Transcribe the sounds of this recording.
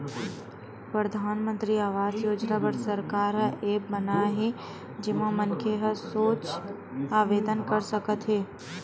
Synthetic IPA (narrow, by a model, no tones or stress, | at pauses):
pɾəd̪ʱaːnmə̃nt̪ɾiaːʋaːd͡ʒjoːd͡ʒnabəɾsəɾkaːɾɦəʔeːbbənaɦɛ | d͡ʒɪmãmənkʰeɦəsoːt͡ʃ | aːʋeːd̪ənkəɾsəkət̪ɦɛː